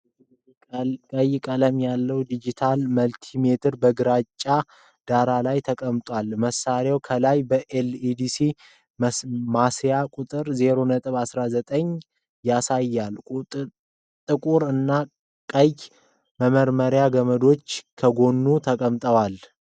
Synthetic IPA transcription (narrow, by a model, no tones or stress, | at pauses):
kʼəjkʼələmjalːəwd̪id͡ʒit̪ʰalməlt̪ʰime̞t̪ʰɨɾbəɡɨɾat͡ʃʼːa | d̪̥aɾalajt̪ʰəkʼəmt̪ʼwalməsːaɾawkʰəlajbəʔelid̪isi | mmasijakʼut̪ʼɨɾze̞ɾo̞nət̪ʼɨβasɾazət̪ʼəɲ | jasajːalʼ | t̪ʼɨkʼuɾɨnːa | kʼə | məməɾməɾjaɡəməd̪o̞t͡ʃːkʰəɡo̞nːut̪ʰəkʼəmt̪ʼəwal